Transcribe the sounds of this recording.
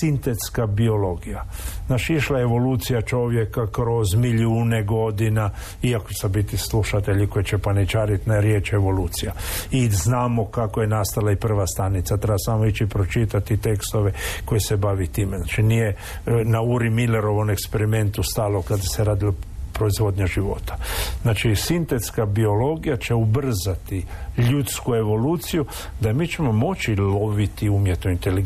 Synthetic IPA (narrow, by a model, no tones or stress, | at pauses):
sint̪et̪skabio̞lo̞ɡijanaʃiʃlaeʋo̞luːt̪sijat͡ʃo̞ʋje̞kakɾo̞zmiʎuːneɡo̞d̪ina | iakoesabit̪isluʃat̪e̞ʎiko̞jet͡ʃepanit͡ʃaːɾit̪naɾjeːt͡ʃeʋo̞luːt̪sijaiznaːmokakojenast̪alaipr̩ʋast̪anit̪sat̪ɾebasamoit͡ʃipɾot͡ʃit̪at̪it̪e̞kst̪oʋe̞ko̞jese̞baʋit̪iːmeznaːt͡ʃinije | nauɾimileɾo̞ʋo̞me̞kspeɾime̞nt̪ust̪aːlokad̪aseɾaːd̪ilapɾo̞izʋo̞d̪ɲaʒiʋo̞̰t̪ʰḁznaːt͡ʃisint̪e̞t̪skabio̞lo̞ɡijat͡ʃe̞ubr̩zat̪iʎut̪skue̞ʋo̞luːt̪siju | d̪amiːt͡ʃe̞mo̞mo̞t͡ʃilo̞ʋit̪iumjet̪noint̪eliɡ